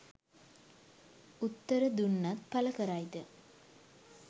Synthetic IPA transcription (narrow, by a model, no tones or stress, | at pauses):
ut̪ːəɾəd̪unːat̪̚paləkəɾajd̪ə